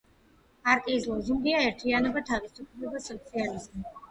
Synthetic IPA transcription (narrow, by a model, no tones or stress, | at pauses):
aɾt̪ʼizlˠɔzimd̪iaɛɾt̪ʰianɔbat̪ʰavisupʰlɛbasɔt̪sʰializmi